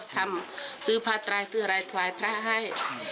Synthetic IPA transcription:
t̪ʰa˧˨msɯː˧˦pʰaː˧˥t̪ɾaː˧jt̪ʰɯ˧˩ɐɾaː˧jt̪ʰaː˨˦jpʰɾa˧˥ɦa˧˥˨j

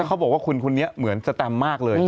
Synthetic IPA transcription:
kʰa˦˥wbɔː˨˩k̚waː˥˩kʰu˧nkʰu˧nːi˦˥ɐmɯ˩˦ənsa˧t̪ɛ˧mːaː˥˩k̚lɤː˧

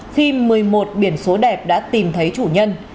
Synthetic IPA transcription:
xi˧mɨ˨˩əjmo˨˩t̚ɓi˧˩ənso˨˦ɗɛ˨˩p̚ɗa̰ː˧˥t̪i˨˩mt̪ʰə˨˦jt͡ɕu˧˩ɲə˧n

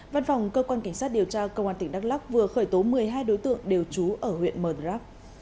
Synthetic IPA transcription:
va˧nfa˨˩wŋ͡mkəː˧kwaː˧nka˧˩jŋ̟saː˦˥t̚ɗi˨˩əwt͡ɕaː˧kə˧whwaː˧˩nt̪ï˧˩ŋ̟ɗa˦˥t̚la˦˥k̚vɨ˨˩əxəː˧˩jt̪o˨˦mɨ˨˩əjɦaː˧jɗo˨˦jt̪ɨ̰˧˨əŋɗe˨˩wt͡ɕu˨˦ʔəː˧˩hwḭ˧˨ənməː˨˩ɗzaː˦˥p̚

